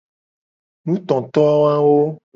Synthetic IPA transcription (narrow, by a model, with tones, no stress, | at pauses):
nũ˦t̪ɔ̃˨t̪ɔ˦a˦wa˦wo˦